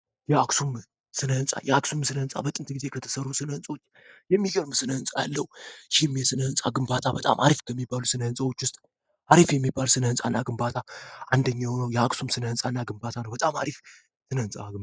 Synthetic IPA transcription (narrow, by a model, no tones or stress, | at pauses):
jɛaksum | sɨnəhɨnsʼa̰jɛaksumsɨnəhɨnsʼa̰bət̪ʼɨnt̪ɡize̞kʰət̪ʰə̥sərːusɨnəhɨnsʼwo̞t͡ʃː | jɛmːiɡəɾmsɨnəhɨnsʼaja̰lːəwuʃimːjɛsɨnəhɨnsʼaɡɨmbat̪ʰabət̪ʼa̰mʔa̰ɾifkʰəmːibːalusɨnəhɨnsʼawo̞t͡ʃːwʊst̪ʼ | ʔaɾifjɛmːibːalsɨnəhɨnsʼa̰nːaɡɨmbat̪ʰaʔand̪əɲːawnəwjɛaksumsɨnəhɨnsʼanːaɡɨmbat̪ʰanəwbət̪ʼama̰ɾif | sɨnəhɨnsʼa̰ɨ